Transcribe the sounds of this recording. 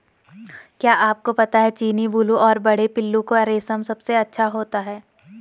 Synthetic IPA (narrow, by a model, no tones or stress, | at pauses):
kjaːʔaːp̚kopɐt̪aɦɛt͡ʃiːnibuluʔɔːɾbɐɽ̤epɪlːũkoɐɾeːsəmsɐbseɐtːʃʰaɦoːt̪aɦɛː